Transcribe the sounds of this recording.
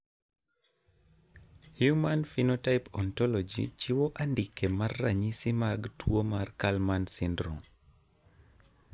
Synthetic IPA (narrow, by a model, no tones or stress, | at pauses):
hjumanfinotaɪpɔntɔlɔd͡ʒḭt͡ʃiwoʔandikemarːaɲisɪmaɡtwomarkalmansɪndɾɔ̰ŋ